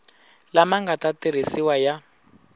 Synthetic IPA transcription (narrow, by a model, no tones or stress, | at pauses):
lamaŋɡatatiɾ̤isiwaja